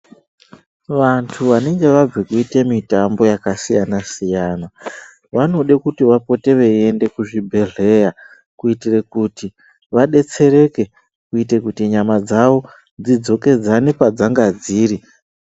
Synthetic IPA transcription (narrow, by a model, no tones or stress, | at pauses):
ʋantʰuʋane̞ŋɡe̞ʋab͡vekuitemitambo̞jakasijanasijaːna | ʋano̞ɗekutiʋapo̞te̞ʋee̞nde̞kuʐibʱe̞ɮe̞ja | kuitire̞kuti | ʋaɗe̞t͡se̞ɾe̞ke̞ | kuite̞kutiɲamad͡zaʋo̞ | d͡zid͡zo̞ke̞d͡zanepad͡zaŋɡad͡ziːɾi